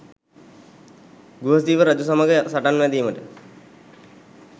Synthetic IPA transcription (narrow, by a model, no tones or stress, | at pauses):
ɡuɦəsiːʋəɾad͡ʒusaməɡəsaʈanʋɛd̪iːməʈə